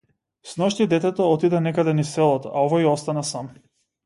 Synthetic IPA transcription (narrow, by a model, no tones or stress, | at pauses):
snɔʃt̪id̪ɛt̪ɛt̪ɔɔt̪id̪ɛnɛkad̪ɛnisɛlˠɔt̪ɔʔaɔvaiɔst̪anasam